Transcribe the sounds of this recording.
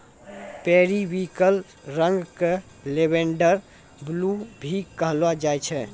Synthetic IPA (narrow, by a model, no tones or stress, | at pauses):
peɾiʋikəl | ɾə̃ŋɡke | lebeɳɖəɾ | blubʱikəɦlad͡ʒajt͡ʃʰɛ